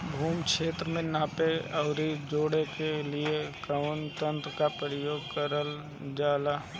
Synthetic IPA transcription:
bʱuːmkʃeːt̪ɾəmẽnãːpeɐʊɾid͡ʒoːɽekeliekəʋənt̪ə̃nt̪ɾəkapɾəjoːɡ̚kəɾəl | d͡ʒaːlaː

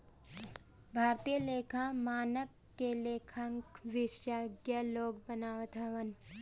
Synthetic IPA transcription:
bʱaːɾt̪ijəleːkʰãmaːnəkːeleːkʰə̃ŋkʋɪʃjaːɡjaloːɡ̚bənaːʋət̪aʋən

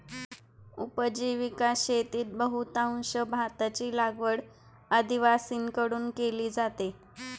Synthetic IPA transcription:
upəd͡ʑiʋikaɕet̪iːt̪̚bəɦut̪aw̃ɕəbʱat̪at͡ɕiːlaɡʋəɽ | ad̪iʋasiːnkəɽuːnkeliːd͡zat̪e

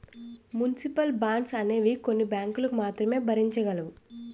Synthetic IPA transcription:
munisipɐlbaːɳɖsɐne̞ːʋiko̞nːibjaːŋkulɐkumaːt̪ɾɐme̞ːbʱɐɾiɲt͡ʃɐɡɐluʋu

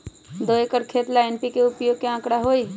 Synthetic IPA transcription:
d̪oekəɾkʰet̪laenpikeʊpjoːɡ̚keãːkɽaɦoi

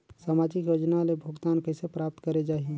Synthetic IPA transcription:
samad͡ʒikjod͡ʒnalebʱəɡt̪ankəɪsepɾap̚t̪kəɾed͡ʒaːɦi

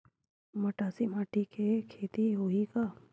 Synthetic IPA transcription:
mɐʈaːsimaːʈʰikʰekʰeːt̪iɦoːika

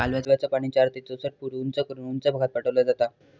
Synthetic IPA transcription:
kalʋjat͡ɕʋjat͡sapaɽ̃it͡ɕaːɾt̪it͡sosəʈ̚puɾunt͡sakɾɳunt͡sabʱəɡʱat̪̚paʈəʋlad͡zat̪a

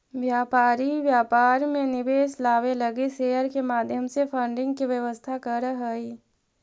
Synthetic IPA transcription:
ʋjaːpaːɾiʋjaːpaːɾmẽnɪʋeːslaːʋelɐɡiseːəɾkemaːd̪ʱjəmsepʰəɳɖɪ̃ŋɡ̚kiʋjəʋəst̪ʰakəɾɦəiː

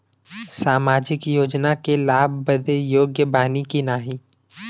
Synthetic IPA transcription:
saːmaːd͡ʒɪkjoːd͡ʒnakelaːbʱbəd̪ejoːɡjəbʱaːnikinaːɦi

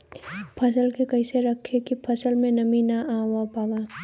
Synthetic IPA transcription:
pʰɐsəlkekɐɪseɾəkʰːekipʰɐsəlmẽnɐminaawapaːwaː

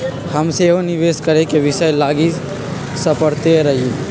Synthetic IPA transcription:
həmseɦoniʋeskəɾekeʋisəjlaɡi | səpəɽt̪eɾəɦie

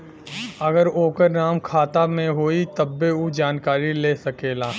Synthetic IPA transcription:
ɐɡəɾoːkəɾnaːmkʰaːt̪amẽɦoːit̪ɐbːeud͡ʒaːnkaːɾileːsɐkeːlaː

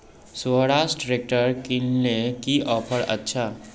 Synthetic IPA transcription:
soɽaːsʈɾek̚ʈəɾkɪnlekiʔɔːpʰəɾɐ̰tːʃʰa

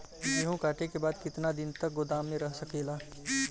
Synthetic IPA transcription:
jeɦõkaːʈekebaːd̪kɪt̪nad̪ɪnt̪ək̚ɡod̪aːmːẽɾəɦsəkeːlaː

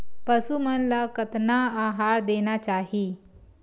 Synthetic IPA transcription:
pəsumənlakət̪naaɦaɾd̪enat͡ɕaɦi

